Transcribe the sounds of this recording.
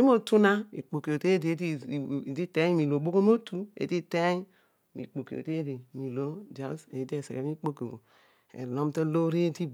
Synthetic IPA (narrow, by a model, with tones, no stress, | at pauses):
i˦m˦o˦˨tu˦na˦ḭ˨k͡po˨ke˨o˨te˦de˨˦i˦˨di˦te˦ɲ˦mi˨lo˨bo˦ko˦m˦o˦tu˦ḛ˨di˦te˦ | mḭ˨k͡po˨ko̰˨te˦di˨mi˨lo˦d͡ʒa˨˦sḛ˨˦di˦e˨sḛ˨ke˨˦mi˦k͡po˦ko˨o˨ | ḛ˨lo˦mte˦lo˦ɾe˦di˦